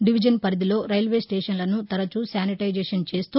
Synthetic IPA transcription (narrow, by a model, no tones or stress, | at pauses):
ɖiʋid͡ʒɐnpɐɾid̪ilo̞ːɾɐjlʋe̞ːsʈeːʂɐnlɐnut̪ɐɾɐt͡ʃusaːniʈɐjd͡ʒeːʂɐnt͡ʃe̞ːst̪uː